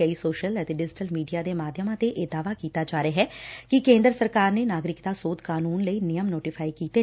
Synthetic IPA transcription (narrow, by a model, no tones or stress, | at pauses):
əiːsoːʃələt̪eːɖɪd͡ʒʈəlmiːɖijaːd̪eːmaːd̪ʱjəmãːt̪eːʔeːd̪aːʋaːkiːt̪aːd͡ʒaːɾeaɦɛːkɪkẽːnd̪ɾəsəɾkaːɾneːnaːɡɾɪkd̪aːsoːt̪kaːnuːnləiːnɪjəmnoːʈɪpʰaːikiːt̪eː